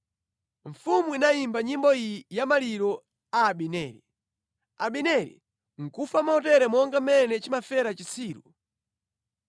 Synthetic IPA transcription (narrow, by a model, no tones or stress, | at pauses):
ɱ̩fumuinaimbaɲimbɔijamaliɾɔ | aːɓinɛːɾi | aɓinɛɾḭ | ŋ̩kufamaɔtɛɾɛmɔŋɡamɛnɛt͡ʃimafɛɾat͡ʃisiːɾu